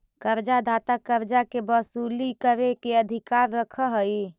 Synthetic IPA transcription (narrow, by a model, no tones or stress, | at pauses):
kəɾd͡ʒad̪ʱaːt̪akəɾd͡ʒakebəsuːlikəɾekeəd̪ʱɪkaːɾːəkʰəɦəi